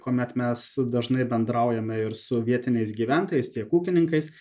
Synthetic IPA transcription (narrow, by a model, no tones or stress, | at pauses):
koːmʲɛt̪mʲɛsd̪ɐʒnɐɪbʲɛnd̪ɾɐʊjɛmʲɛɪɾsʊʋʲiɛt̪ʲɪnʲɛɪs̬ɡʲiːʋʲæˑnt̪oːjɛɪst̪ʲiɛkuːkʲɪnʲɪŋkɐɪs